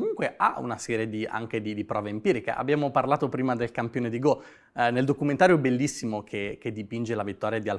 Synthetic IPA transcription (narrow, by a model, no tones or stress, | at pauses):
kmuŋkweʔa̰ṵnasɛːɾjed̪ia̰ŋked̪id̪ipɾɔːveimpiːɾikḛʔa̰bːjaːmoparlaːt̪opɾiːmad̪elkampjoːned̪iɡo | neld̪okument̪aːɾjoɛbelːisːimokʰek̟ed̪ipind͡ʒelavit̪ːɔːɾjad̪ial